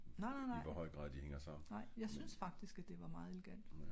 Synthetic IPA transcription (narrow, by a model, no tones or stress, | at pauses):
nɑ̈ɪnɑ̈ɪnɑɪ̰ʋɒhɒ̽ɪ̰ɡ̥ʁɑ̈ð̰ˠd̥iheŋɐsɑ̈m̰n̩nɑ̈ɪ̰jɑ̈ɪsynsfɑ̈ɡ̥̚d̥isɡ̥æd̥e̝ʋɑ̈mɑ̈ːð̞̩ˠe̝leɡ̥æn̰d̥